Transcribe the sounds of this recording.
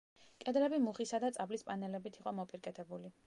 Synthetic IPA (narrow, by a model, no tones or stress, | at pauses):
kʼɛd̪lɛbimuχisad̪at̪sʼablispʼanɛlɛbit̪ʰiqʼɔmɔpʼiɾkʼɛt̪ʰɛbuli